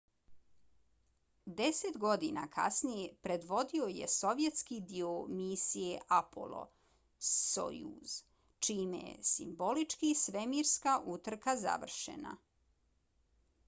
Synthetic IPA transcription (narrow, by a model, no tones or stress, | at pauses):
d̪eset̪ɡo̞d̪ina̰kʰa̰snijepɾe̞d̪ʋo̞d̪io̞je̞̰so̞ʋje̞t̪skid̪iomisijeʔapʰo̰lˠo̞̰ | so̰jṵz̥ | t͡ʃiːmjḛsḭmbo̞lit͡ʃkisʋemiɾskaʔut̪r̩kaza̰ʋr̩ʃḛna̰